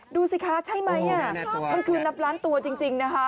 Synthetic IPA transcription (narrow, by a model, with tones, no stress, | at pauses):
duː˧si˨˧˩kʰaː˦˥t͡ɕʰa˥˩jma˦˥jʔa˥˩ma˧nkʰɯː˧na˦˥p̚ɾaː˦˥nt̪u˧ɐt͡ɕi˧ŋt͡ɕi˧ŋna˦˥kʰa˦˥